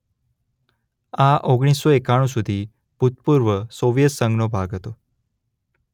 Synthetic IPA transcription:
aʔoɡɽ̃isːoekaɽ̃ũsud̪ʱi | put̪̚puɾʋəsoʋjət̪səŋɡnobʱaɡʱɦət̪o

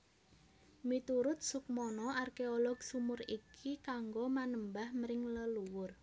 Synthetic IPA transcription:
mit̪uɾʊt̪̚sʊk̚mɔnɔarkeɔlɔɡ̥sumʊrikʰikaŋɡomanəmbahməɾɪŋləluwʊr

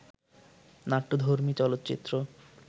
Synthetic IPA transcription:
naʈːod̪ʱoɾmit͡ɕɔlot̪ːt͡ɕḭt̪ːɾo

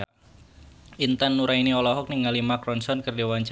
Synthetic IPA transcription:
int̪anːuɾainiɔlɔɦɔk̚niŋalimakɾɔnsɔnkərdiwaɲt͡ʃ

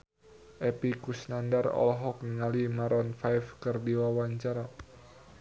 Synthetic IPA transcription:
ʔɛpikusnandarɔ̰lɦɔk̚nəŋalimaɾɔnfajfkɨrdiwawaɲt͡ʃaɾa

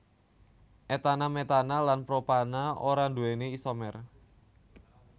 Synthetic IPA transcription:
ʔet̪anamet̪analanpɾopanaoɾandueneisomɛr

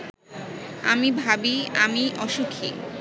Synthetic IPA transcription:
a̰mibʱabiamiʔɔʃukʰḭ

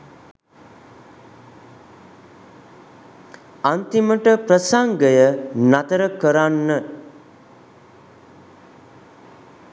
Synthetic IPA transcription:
ant̪iməʈəpɾəsaŋɡəjənat̪əɾəkəɾanːə

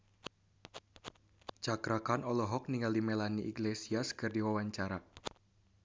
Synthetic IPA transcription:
t͡ʃakɾakanɔlɔɦɔk̚niŋɡaldimɛlaniʔiɡlesiaskɨrdiwawaɲt͡ʃaɾa

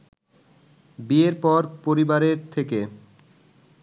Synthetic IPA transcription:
bieɾpɔɾpoɾibaɾeɾt̪ʰeke

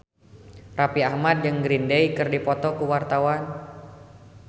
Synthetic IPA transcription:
rapiahmad̪̚d͡ʒɨŋɡɾindɛjkɨrdipɔt̪ɔkuwart̪awan

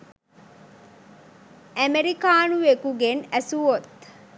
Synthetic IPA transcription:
æmeɾikaːnuʋekuɡenæsuʋot̪

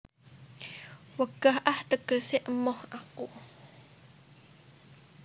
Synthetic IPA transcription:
wəkəhʔaht̪əkəseʔmɔhʔaku

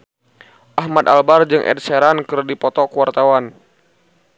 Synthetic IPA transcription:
ʔaɦmad̪albard͡ʒɨŋʔɛ̰d̚seɾankɨrdipɔt̪ɔkuwart̪awan

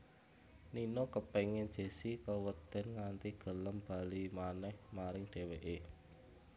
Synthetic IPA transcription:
ninokəpeŋɪnd̥ʒ̥e̤sikəwət̪ɛnŋant̪iɡ̥ə̤ləmb̥a̤limanɛhmaɾɪŋɖ̥e̤weʔe

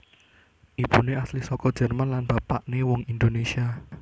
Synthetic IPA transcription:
ʔipuneaslisɔkɔd̥d͡ʒ̥ɛ̤rmanlanb̥apaʔnewɔŋind̪onesia

